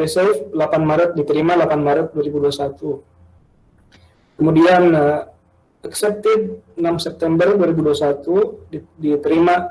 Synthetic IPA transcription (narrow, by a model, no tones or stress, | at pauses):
isɛflapanmaɾət̪̚dit̪əɾimalapanmaɾət̪̚duaɾibuduasat̪u | kəmudian | ɛksɛp̚t̪ɪd̚namsɛp̚t̪ɛmbərduaɾibuduasat̪udit̪əɾima